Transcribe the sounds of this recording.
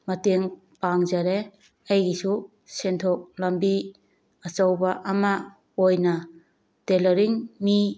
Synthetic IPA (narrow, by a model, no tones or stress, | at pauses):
mɐteŋ | paŋzaɾe | ajɡisu | sentʰok̚lɐmbi | ɐt͡ʃawbaʔɐma | ojnɐ | telɔɾiŋmi